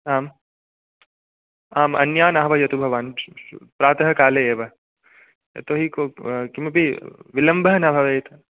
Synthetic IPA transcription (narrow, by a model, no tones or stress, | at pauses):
aːm | aːmɐ̰njaːnaːɐʋɐjɐt̪ubʱɐʋaːnpɾaːt̪ɐɦɐkaːleeːʋɐ | jɐ̰t̪oːɦikoːkimɐpiʋilɐmbɐɦɐnɐbʱɐʋeːt̪ɐ